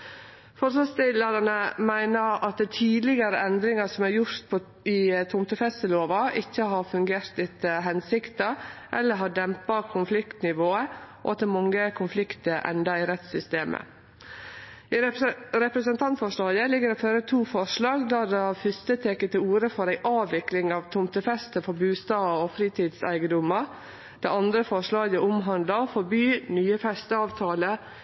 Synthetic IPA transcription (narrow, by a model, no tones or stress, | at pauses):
fɔɾɑːst̪ɪləɾɑnəmæɪnəɾɑt̪̚d̪ɛt̪ʰiːd̪lɪɡɑɾəɛnd̪ɾɪŋɑsɔmæɾjʊɾt̪̚pʰo | ɪt̪ʰʊmt̪əfɛst̪əloːʋɑʔɪçːəɦɑɾfʉŋɡeːɾt̪ɪt̪əɦɛnsɪkt̪ɑʔɛlːəɾɦɑɖɛmpɑkʰʊnflɪkt̪nɪʋoːəʔo̰ɑt̪ːɛmɑŋːəkʰʊnflɪkt̪əɾʔɛ̰nd̪ɑɪɾɛt̪sʏst̪eːmʔə̰ | iːɾɛpɾəsənt̪ʰɑnt̪fɔʂlɑːɡəlɪɡːəɾɛføːɾət̪ʰuːfɔʂlɑːɡd̪æd̪ɛɑfʏst̪ət̪ʰeːkət̪ʰɪuːɾəfɔɾæɪʔɑːʋːɪklɪŋɑːʋt̪ʰʊmt̪əfɛst̪əfɔɾbʉːst̪ɑːɔfɾiːt̪ʰiːd̪sæ̰ɪɡəd̪ʊmə | d̪̥ɛ̰ɑnd̪ɾəfɔʂɭɑːɡəʊmɦɑnd̪lɑfɔɾbyːnyːəfɛst̪əɑːʋt̪ʰɑːlə